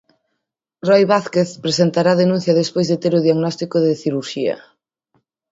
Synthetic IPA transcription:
rɔjβaθkeθpɾesent̪aɾaðenũn̟θjɐðespojzðet̪eɾʊðjaɣnɔst̪ikoðɪθiɾuɾʃiɐ̰

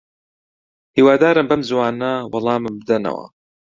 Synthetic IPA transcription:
hiːwaːd̪aːɾɨmbɐmzwaːnɐwɑlˠɑːmɨmbɨd̪ɐnɐ̰wɐ̰

